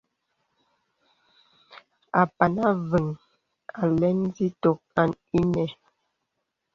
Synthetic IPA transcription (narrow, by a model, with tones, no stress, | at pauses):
a˨pa˨na˦və˨ŋ | a˨lɛ˦n˦zi˦to˨k̚a˦˨n | i˦nɛ˨